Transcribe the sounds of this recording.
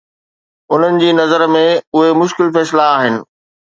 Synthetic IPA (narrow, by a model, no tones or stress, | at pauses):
ʊn̤ənɪ̆d͡ʑiːnɐzəɾmẽʊɦemʊʃkɪlfɛːslaaːɦɪnɪ̆